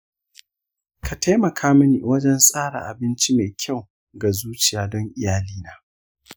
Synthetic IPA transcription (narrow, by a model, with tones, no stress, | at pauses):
kʰa˨ta˦jmɐ˨kʰaː˦mɐ˦nḭː˨wɐ˦d͡ʒɛ˦nsʼaː˦ɽa̰˨ʔa˨bɪ˦nt͡ʃi˦me˨kʲʰa˦˨w | ɡa˨zuː˦t͡ʃɪ˨jaː˦dɔ˦ŋʔɪ˨jaː˦liː˦naː˨˦